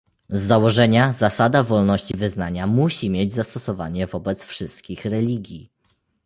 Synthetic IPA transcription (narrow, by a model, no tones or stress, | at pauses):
zːawɔʐɛɲazasad̪avɔlnɔɕt͡ɕivɘznaɲamuɕimʲjed͡ʑzast̪ɔsɔvaɲɛvɔbɛt̪sfʂɘst̪kʲixɾɛlʲiɡʲji